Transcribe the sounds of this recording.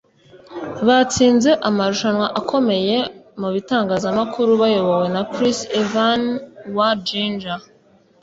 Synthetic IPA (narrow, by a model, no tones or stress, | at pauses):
βat͡siːnze̞ʔamaɾuʃanwaʔakʰo̞me̞je̞muβitaːŋɡaːzamakʰuɾuβajo̞βo̞we̞nakɾisevanwad͡ʒind͡ʒa